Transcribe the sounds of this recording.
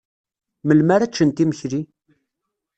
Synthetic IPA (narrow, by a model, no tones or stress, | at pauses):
məlmaɾæt͡ʃːənt̪iməçɾi